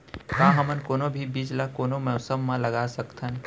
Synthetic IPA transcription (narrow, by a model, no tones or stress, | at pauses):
kãɦəmənkoːnobʱibid͡ʒlakoːnomɛʊsəmːãləɡasəkt̪ʰən